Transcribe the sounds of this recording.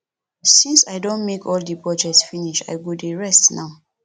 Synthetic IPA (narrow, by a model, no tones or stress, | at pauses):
sĩnsajdõnmekɔldipɹɔd͡ʒɛk̚tsfiniʃa̰jɡodeɹɛstnaʊ